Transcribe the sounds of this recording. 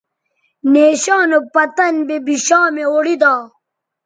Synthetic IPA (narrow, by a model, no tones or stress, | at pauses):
neːɕaːnopɐt̪ɐnbebiɕaːmeoɽid̪aː